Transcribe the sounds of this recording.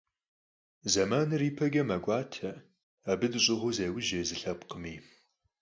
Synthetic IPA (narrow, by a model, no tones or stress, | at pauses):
zɐmaːnɨriːpʰɐɡɐmɐɡʷʼɑːtʰɐ | abɨdɨɕʼɪʁʷʊzeːwɪʒeːzɨɬɐpqəmiː